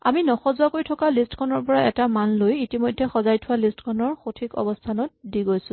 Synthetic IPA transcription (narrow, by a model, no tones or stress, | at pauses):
a̰minɔxɔzuakoɹitʰɔkalistkʰɔnɔɹpɔɹaɛtamanlojitimojdʱɛxɔzajtʰʊwalistkʰɔnɔɹxotʰikɔ̰bɔstʰanɔt̚diɡojsʊ̃